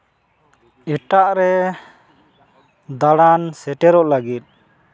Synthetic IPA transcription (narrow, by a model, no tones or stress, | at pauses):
ɛʈaʔɾɛ | d̪aɽansɛʈɛɾɔʔlaɡit̪̚